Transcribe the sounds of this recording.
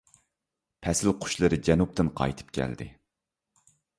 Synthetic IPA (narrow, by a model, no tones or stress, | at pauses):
pʰɛsɪlqʰʊ̥ʃlˠɨɾɨd͡ʒɛnup̚t̪ɨnqʰɑ̰jt̪ʰɨ̥p̚kʲʰɛ̰ld̪ɪ̰